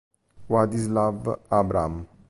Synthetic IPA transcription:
wad̪islavabɾam

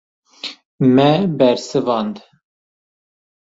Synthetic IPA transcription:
mɛbɛɾsɨvɑːnd̪

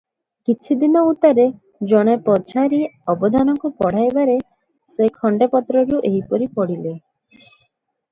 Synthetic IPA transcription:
kit͡ʃʰid̪inɔut̪aɾe | d͡ʒɔɽ̃epɔd͡ʒʰaɾiɔbɔd̪ʱanɔŋkupɔɽ̤ajbaɾe | sekʰɔɳɖepɔt̪ɾɔɾuʔeɦipɔɾipɔɽile

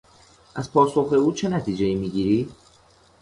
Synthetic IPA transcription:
ʔæzpʰɒːso̞xe̞uːt͡ʃʰe̞næt̪ʰiːd͡ʒejiːmiɟiːɾiː

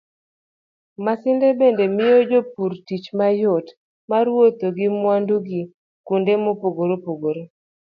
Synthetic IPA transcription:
masɪndebendemɪjod͡ʒopuɾtit͡ʃmajot | maɾwot̪oɡɪmwanduɡi | kundemopoɡoɾopoɡoɾo

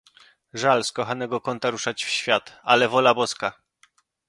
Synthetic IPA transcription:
ʐalskɔxanɛɡɔkɔnt̪aɾuʂat͡ɕfɕfʲjat̪a̰lɛvɔlabɔska

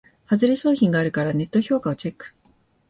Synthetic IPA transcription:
hazɨɾe̞ɕo̞ːçʲĩŋɡaːɾɯ̟kaɾane̞t̪ːo̞ço̞ːkao̞t͡ɕe̞kːɯ̟̥

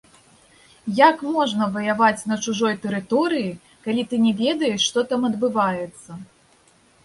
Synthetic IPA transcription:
jakmɔʐnɐvɐjavat͡sʲnɐt͡ʂuʐɔjt̪ɛɾɨt̪ɔɾɨji | kalʲit̪ɨnʲɛvʲɛd̪ɐjɛʂːt̪ɔt̪amɐd̪bɨvajɛt̪sːɐ

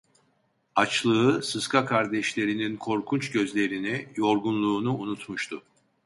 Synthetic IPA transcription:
at͡ʃlˠɯɯsɯskʰakʰaɾd̪ɛʃlʲe̞ɾininkʰo̞ɾkʰunt͡ʃɟø̞zlʲe̞ɾinijo̞ɾɡunlˠuːnuːnut̪muʃt̪ʰʊ

